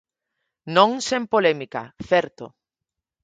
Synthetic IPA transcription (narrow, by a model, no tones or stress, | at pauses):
nõŋsempolemika̰θɛɾt̪o̰